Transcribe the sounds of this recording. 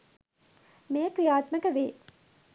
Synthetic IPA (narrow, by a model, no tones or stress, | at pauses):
mejəkɾijaːt̪məkəʋeː